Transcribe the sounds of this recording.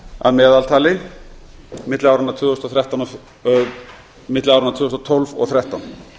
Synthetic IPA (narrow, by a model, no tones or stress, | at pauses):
a̰ðmɛːðalt̪ʰaːlɪ | mɪt̪lawɾanat̪ʰʏːɣɔst̪ɔθɾjaht̪anɔ | mɪt̪lɪawɾanat̪ʰʏːɣɔst̪ɔt̪ʰɔlvɔ̰ɣθɾjɛht̪an